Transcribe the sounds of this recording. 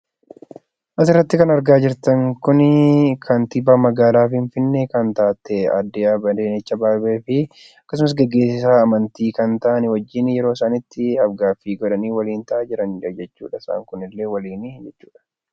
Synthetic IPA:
ʔɐs̬ɪrːɐt̪ːɪkɐnɐɾɡaːd͡ʒɪɾt̪ɐŋkʊnɪkʰɐnt̪ɪbaːmɐɡaːlaːfɪɱfɪnːekɐnt̪aːt̪ːɛɐ̰d̪ːɪaːbɐd̪eːnɪt͡ʃːɐbaːbeːfɪ | ɐkːɐs̬ʊmɐs̬ɡɛɡːe̞ːsːɪsaːɐmɐnt̪iːkɐnt̪ɐʔɐnɪwɐd͡ʒːɪnjɛɾo̞ːsaːnɪt̪ːɪɐfɡaːfːiːɡɔᶑɐniːwɐliːnt̪ɐʔaːd͡ʒɪɾɐnd͡ʒɐd͡ʒɛt͡ʃːṵːᶑɐsa̰ːŋkʊnɪlːe̞ːwɐliːnɪd͡ʒɛt͡ʃːu̥ːᶑɐ̥

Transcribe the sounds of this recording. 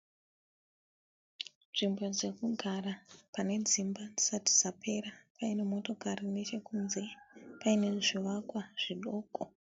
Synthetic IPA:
nʐimbo̞d͡ze̞kuɡʱarapane̞d͡zimbad͡zisati̥sapʰe̞ɾapaine̞mo̞to̞karine̞t͡ʃe̞kunze̞paine̞ʐiʋakwaʐ̥iɗo̞ːko

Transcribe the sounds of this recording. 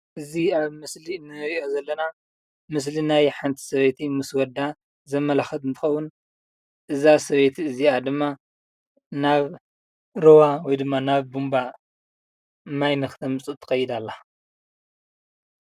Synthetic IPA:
ʔɨziaβmɨslinːɨɾiʔo̞zɐlːɐna | mɨs̬linajħant̪ʰi̥sɐβet̪ʰimɨswɔd̪a | zɐmːɐlaxɐt̪ɨnt̪ʰɨ̥xɐwːun | ʔɨzasɐβet̪ʰiɨziad̪ɨmːa | naβ | ɾowawɔjd̪ɨmːanaβbumba | majnɨxt̪ʰɐmɨt͡sʼɨt̪ʰːɨ̥xɐjːɪd̪alːa

